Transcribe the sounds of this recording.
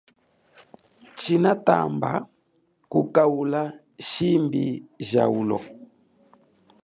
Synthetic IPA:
t͡ʃinata̰mba | kukaula | ʃimbiʒa̰ulɔ̰

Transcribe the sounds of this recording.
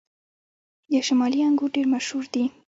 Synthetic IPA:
d̪əʃamɑliaŋɡuɖeɾmaʃhuɾd̪i

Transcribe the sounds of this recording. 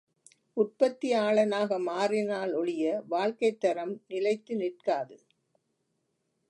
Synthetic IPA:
ʊʈ̚pɐt̪ːɪaːɭɐnaːɣɐmaːɾɪnaːlɔɭɪjɐʋaːɭkɐɪt̪ːɐɾɐmnɪlɐɪt̪ːɯnɪʈ̚kaːðɯ

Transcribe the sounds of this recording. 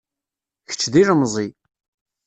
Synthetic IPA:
çə̥t͡ʃːðiɾəmzˤi

